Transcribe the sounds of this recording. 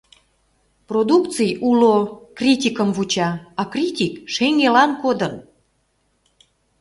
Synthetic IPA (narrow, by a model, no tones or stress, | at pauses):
prod̪uk̪t͡sɨjulokrʲit̪ʲikəmvut͡ɕɑɑkrʲit̪ʲikʃeŋelɑnkod̪ən